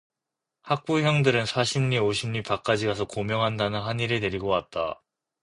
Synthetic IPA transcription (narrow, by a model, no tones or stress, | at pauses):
hak̚p͈ujʌŋdɯɾɯnsʰaɕʰimɲioɕʰimɲipak͈ad͡ʑiɡasʰʌkomjʌŋɦandanɯnɦaɲiɾene̞ɾiɡʌwat̚t͈a̰